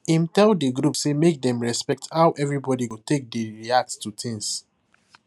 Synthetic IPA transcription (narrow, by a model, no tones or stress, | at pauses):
ĩmtɛldəɡɹupsemek̚dɛ̃mɹɛspɛk̚thawʔɛvɹibɔdiutek̚deɹiak̚tstutʰɪ̃ŋs